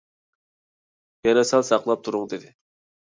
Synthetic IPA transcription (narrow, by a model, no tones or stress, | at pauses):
jɛnɛsælsɑqlˠɑp̚t̪ʰuɾʊŋd̪ɪd̪ɪ